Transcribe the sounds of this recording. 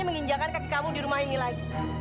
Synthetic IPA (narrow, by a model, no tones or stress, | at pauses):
aməŋiɲd͡ʒakankat̪i̥kamudiɾumahinilain